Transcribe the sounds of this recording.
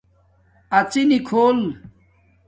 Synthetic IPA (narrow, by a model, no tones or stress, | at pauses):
ɐt͡sinikʰoːl